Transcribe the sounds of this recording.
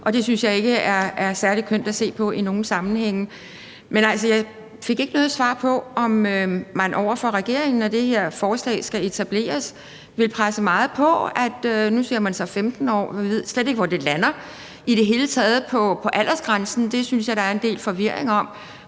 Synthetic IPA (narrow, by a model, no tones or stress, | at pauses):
ʔɒ̽d̥e̝synsjɑ̈ɪe̝ɡ̥əæɐæɐsæɐlikʰøn̰d̥æse̝̰ːpʰɒ̽ʔino̝ːn̩sɑ̈mn̩heŋ̰ | menæl̰sɒjɑ̈ɪ | fe̝ɡ̥e̝ɡ̥ənɔ̽ːðˠsʋɑ̰̈ːpʰɒ̽ɒ̽mømænʔɒʊ̰ɐfɒ̽ʁɛɡ̥e̝ɐ̰e̝ŋn̩ɒd̥e̝he̝ɐ̰fɒːslɛ̰ːsɡ̥æe̝t͡sʰæb̥le̝̰ːɐs | ʋe̝lpʰʁasəmɑ̈ːð̞̩ˠpʰɒ̽æd̥ønuse̝ɐ̰mænsɒfemd̥n̩ɒ̰ːʋʋið̰ˠsled̥eɡəʋɒd̥e̝lænɐ | id̥e̝ɦe̝ːlət͡sʰɛːð̞̩ˠpʰɒ̽pʰɒ̽ʔæl̰ʔɐsɡ̥ʁansn̩d̥e̝synsjɑ̈ɪɾ̥ɑ̈æɐend̥e̝̰ːlfɒ̽ʋiɐ̰eŋɒ̽m̰